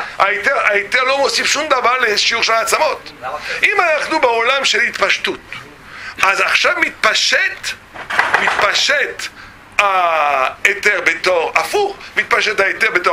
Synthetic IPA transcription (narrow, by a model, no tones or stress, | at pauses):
aet̪eʁaet̪eʁlomosifʃumd̪avaʁleʃiuʁʃelat͡samo̞t̪ʔimanaχnubeolamʃelhit̪paʃtut̪ | azaχʃavmit̪̚paʃet̪ | mit̪paʃet̪ | a | et̪eʁbet̪oʁafuχmit̪̚paʃet̪aet̪eʁbet̪o